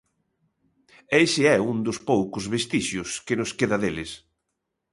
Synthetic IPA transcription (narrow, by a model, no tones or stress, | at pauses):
esɪɛund̪ʊspowkʊzβest̪iʃjʊskenʊskeðɐðelɪs